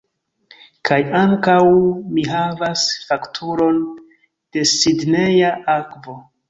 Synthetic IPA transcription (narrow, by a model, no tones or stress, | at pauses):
kʰajaŋkawmiɦavasfaktʰuɾo̞n | d̥e̞sidne̞jaʔakvo̞